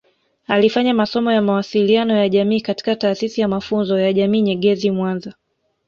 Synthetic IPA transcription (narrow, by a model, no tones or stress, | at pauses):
alifaɲamasɔmɔjamawasilianɔjaʄamiːkati̥kataːsisijamafunzɔjaʄamiːɲɛɠɛzimwanza